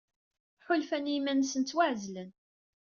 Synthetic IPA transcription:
ħʊlfænimænsənt͡s̪ːwaʕzlən

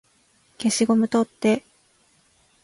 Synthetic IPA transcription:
ke̞ɕiɡo̞mɯ̟t̪ot̪ːe̞

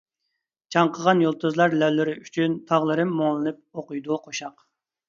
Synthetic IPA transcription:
t͡ʃʰɑɴqʰəʁɑnjolˠt̪ʰɨzlˠɑɾlɛwlɪɾɪyt͡ʃʰynt̪ʰɑʁlˠɨɾɨmːoŋlˠɨnɨp̚oqujd̪uqʰoʃɑq

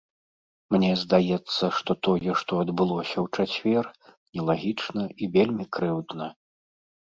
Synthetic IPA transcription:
mnʲɛzd̪ajɛt̪sːɐʂt̪ɔt̪ɔjɛʂt̪ɔɐd̪bɨlˠɔsʲɐwt͡ʂat͡sʲvʲɛr | nʲɛlˠaɣʲit͡ʂnɐivʲelʲmʲikɾɨwd̪nɐ

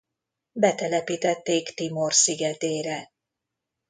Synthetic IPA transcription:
bɛt̪ɛlɛpiːt̪ɛt̪ːeːkt̪imorsiɡɛt̪eːɾɛ

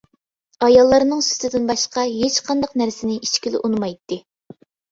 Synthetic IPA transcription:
ɑjɑlˠːɑɾnɨŋsy̥t̪ʰɪd̪ɪnbɑʃqɑɦet͡ʃqʰɑnd̪ɑqnæɾsɪnɪʔit͡ʃkʲilɪ̰ʔunɨmɑjt̪ːɨ

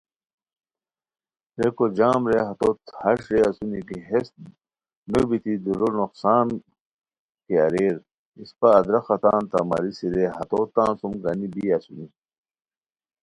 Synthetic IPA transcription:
ɾekod͡ʑaːmɾeɦɐt̪ot̪hɐʂɾeɐsunikiɦes | nəbit̪id̪uɾonuqsaːn | keɐɾeːɾ | ispaːd̪ɾɐxɐt̪aːnt̪ɐ̰mɐ̰ɾisiɾeɦɐt̪oːt̪ãːnsumɡɐnibiɐsuni

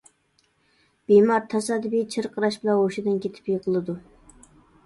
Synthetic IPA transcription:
b̥imɑɾt̪ʰɑsɑd̪bit͡ʃʰɪɾqʰəɾɑʃbɪlˠɑoʃɪd̪ɨnkʲet̪ʰɪ̥pjiqʰəlˠɨd̪u

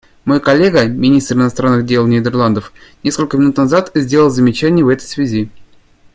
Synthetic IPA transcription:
mo̞jkɐlʲːeɡəmʲɪnʲist̪ɾɨnɐst̪ɾanːɨɣdʲe̞lˠnʲɪd̪ʲɪrlˠand̪əfnʲeskəlʲkəmʲɪnut̪nɐzat̪zʲdʲelʲˠəlˠzəmʲɪt͡ɕænʲɪjəvɛt̪əjsvʲɪzʲi

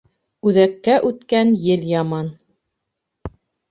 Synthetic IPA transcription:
ʉðækːæʔʉt̪kænjɘljɑmɑn

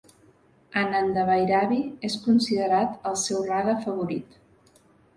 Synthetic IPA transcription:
ənand̪əβəjɾaβieskunsiðəɾat̪əlˠsɛwraðəfəβ̞uɾit̪

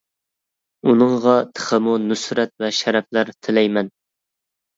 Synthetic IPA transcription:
unɨŋʁɑt̪ʰə̥χʰəmunysɾɛt̪̚vɛʃæɾɛp̚læɾt̪ʰɪlɛjmɛn

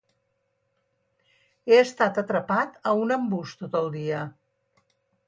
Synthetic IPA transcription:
eəst̪at̪ət̪ɾəpat̪əunəmbust̪ot̪əlˠd̪iə

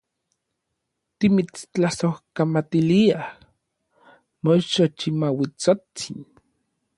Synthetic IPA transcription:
t̪imit͡st͡ɬasohkamat̪iliah | mot͡ʃot͡ʃimawit͡sot͡sin

